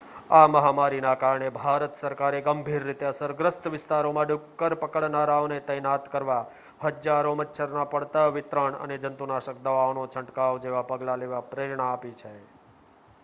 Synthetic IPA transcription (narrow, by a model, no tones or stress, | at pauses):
aməɦamaɾinakaɾɳebʱaɾət̪səɾkaɾeɡəmbʱiɾːit̪eəsəɾɡɾəst̪ʋɪst̪aɾomãɖʊkːəɾpəkəɭnaɾaonet̪əjnat̪kəɾʋa | həd͡ʒaɾomətːʃʰəɾnapəɽt̪aʋɪt̪ɾəɳə̰ned͡ʒənt̪unaʃək̚d̪əʋaonot͡ʃʰə̃ɳʈkaod͡ʒeʋapəɡlaleʋapɾeɾɳaːpit͡ʃʰe